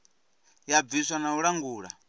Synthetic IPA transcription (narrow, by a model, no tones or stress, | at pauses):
javiswanauɺaŋɡuːɺa̰